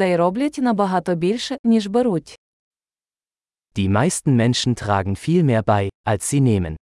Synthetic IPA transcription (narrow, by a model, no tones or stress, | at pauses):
ajɾɔbletʲnabɐɦat̪obilʃənʲiʃbɐɾutʲ | d̥iːmaɪstn̩mɛnʃn̩tʁ̥a̰ːɡŋ̩fiːlmeːɐbaɪʔalsz̥iːneːmə̰n